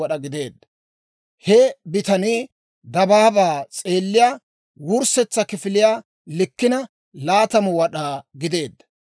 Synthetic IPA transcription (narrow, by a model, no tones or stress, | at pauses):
ɐɗɐɡɪd̪e̞ːd̪ːɐ | hɛbɪt̪ɐni | d̪ɐbaːbaːt͡sʼe̞ːlːɪjaː | wʊɾsɛt͡sːɐkɪfɪlɪjaː | lɪkːɪnɐ | laːt̪ɐmʊwɐɗaːɡɪd̪e̞ːd̪ːɐ̥